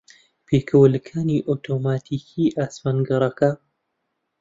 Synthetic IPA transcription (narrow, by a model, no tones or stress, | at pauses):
peːkʰəwəlɨkʰaːniʔot̪ʰoːmaːt̪ʰiːkʰiːʔaːsmanɡɨɾˤɐka